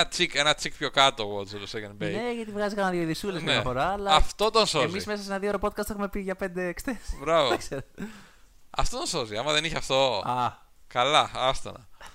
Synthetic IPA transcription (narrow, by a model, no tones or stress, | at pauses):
ɐt͡sike̞nɐt͡sikpço̞kɐt̪oɣot͡solosekɐnbeneʝɐt̪ivɣɐzikɐnɐðjoðisulezmeɐfo̞ɾɐːlɐɐft̪o̞t̪onsoezmiizmesɐsenɐðioɾopo̞t̪̚kɐst̪e̞xume̞piʝɐpe̞nd̪e̞ːkst̪esbɾɐvoekseɾo | ɐ̰ft̪ot̪onsoziɐmɐðeniçeɐft̪o̞ɐ | kɐlɐɐst̪ɐ̰nɐ